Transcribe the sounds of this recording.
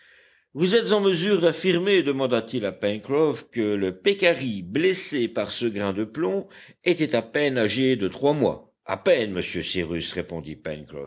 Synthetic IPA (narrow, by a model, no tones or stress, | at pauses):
vuzɛt̪zɑ̃məzyːʁd̪afiʁmed̪əmɑ̃d̪at̪ilapɛnkχɔfkələpekaʁiblesepaʁsəɡʁɛ̃d̪əplɔ̃ | et̪ɛt̪apɛnaʒed̪ət̪χwamwa̰ | a̰pɛnməsjøsiʁysʁepɔ̃d̪ipɛ̰nkχɔ̰f